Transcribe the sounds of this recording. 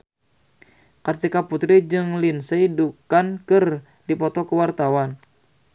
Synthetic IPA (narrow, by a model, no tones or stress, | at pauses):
kət̪ikaput̪ɾid͡ʒɨŋlinsəidukankɨr | dipɔt̪ɔkəwart̪awan